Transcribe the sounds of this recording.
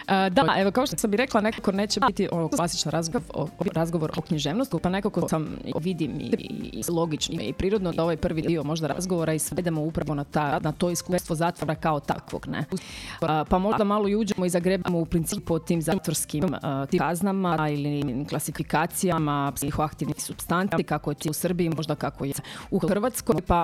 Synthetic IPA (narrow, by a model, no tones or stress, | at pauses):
əd̪aʔeʋokaoʃt̪osambiɾeklˠanekako̞neːt͡ɕebit̪iʔoʋoklˠasi̥t͡ʃnaɾazɡoo̰obɾazɡoʋoɾokɲiʒeːʋnost̪upane̞kakosamḭʋid̪imḭislˠo̞ɡit͡ʃnḭipɾiːɾod̪nod̪ao̞ʋajpr̩ʋiiomo̞ʒd̪aɾaa̰zɡoʋoɾaisʋed̪emoupɾaʋonat̪anat̪o̞iskuːst̪ʋozaːt̪ʋoɾakaot̪a̰kʋo̰ɡnḛuspamo̞ʒd̪amalˠoiuːd͡ʑemoizaɡɾebamoupɾint̪iipot̪iːmzat̪ʋoɾskimt̪iaznamailiklˠasifikaːt̪sijamapsixoakt̪iʋnixsupst̪ant̪ikakojet̪ousr̩biimo̞ʒd̪akakojeuxxrʋat̪skomjpa